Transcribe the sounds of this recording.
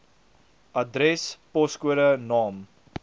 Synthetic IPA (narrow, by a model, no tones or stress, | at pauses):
ʔɐdɾɛspɔskuəɾənɑːm